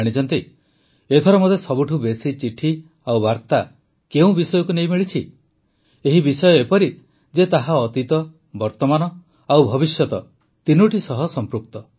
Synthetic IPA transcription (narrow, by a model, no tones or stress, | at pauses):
ɽ̃it͡ʃɔnt̪i | et̪ʰɔɾɔmɔd̪ʱjesɔbuʈʰubesit͡ʃiʈʰi | awbaɾt̪a | keũbisɔjɔkunejmiɭit͡ʃʰi | eɦibisɔjɔepɔɾi | d͡ʒet̪aɦaɔt̪it̪ɔ | bɔɾt̪ɔmanɔ | awbʱɔbisjɔt̪ɔ | t̪inuʈisɔɦɔsɔmpɾuk̚t̪ɔ